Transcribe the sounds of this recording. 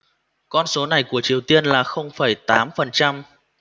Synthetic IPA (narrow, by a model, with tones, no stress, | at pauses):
kɔ˧nso˨˦na˨˩jku˧˩ət͡ɕi˨˩əwt̪i˧ənlaː˨˩xə˧wŋ͡mfəː˧˩jt̪aː˨˦mfə˨˩nt͡ɕa˧m